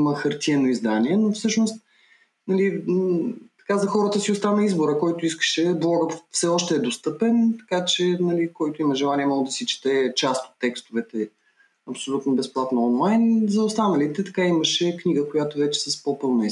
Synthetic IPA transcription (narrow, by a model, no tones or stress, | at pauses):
məxɐɾt̪iɛnoizd̪anʲiɛnofsɤʃnost̪ | nɐli | t̪ɐ̥kazɐxɔɾət̪əsioʊst̪anəizboɾəkɔjt̪oiskə̥ʃɛblˠɔɡət̪fsɛɔʃt̪ɛːd̪ost̪ɤpɛnt̪ɐ̥kat͡ʃɛnɐlikɔjt̪ʊiməʒɛlˠanʲiɛmɔɡod̪ɐsit͡ʃi̥t̪ɛt͡ʃast̪o̥t̪ːɛkst̪ovɛt̪ɛ | ɐpsolʲut̪nobɛsplˠat̪noɔnlˠajnzɐʊst̪anəlit̪ɛt̪ɐkaiməʃɛknʲiɡəkojat̪ovɛt͡ʃɛ̥sɐspopɤlˠnɐi